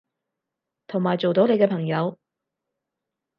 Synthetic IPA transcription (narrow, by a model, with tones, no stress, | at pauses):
t̪ʰo˨˩ŋmaː˨˩jt͡so˨wt̪o˨˥wne˨˧jkɛː˧pʰɐ˨˩ŋjɐ˨˧w